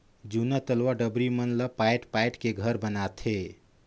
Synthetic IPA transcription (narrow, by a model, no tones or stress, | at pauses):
d͡ʒunət̪əlʋaɖəbɾimənləpajʈpajʈkeɡʱəɾbənat̪ʰe